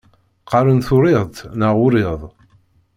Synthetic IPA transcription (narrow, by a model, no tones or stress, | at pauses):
qɑɾənθʊɾɪðˤt̪naʁʊɾɪðˤ